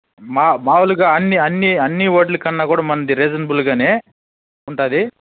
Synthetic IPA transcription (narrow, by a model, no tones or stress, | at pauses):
maːmaːwuluɡaːɐnːiɐnːiɐnːiʋoːɖlukɐnːaːkuːɽaːmɐnɐd̪iɾeːd͡ʒɐnɐbulɡaːneː | uɳʈaːd̪i